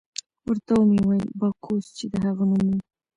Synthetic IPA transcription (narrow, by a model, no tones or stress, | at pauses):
wəɾt̪awmiwajbɑkʰost͡ʃed̪əɦaɣanumi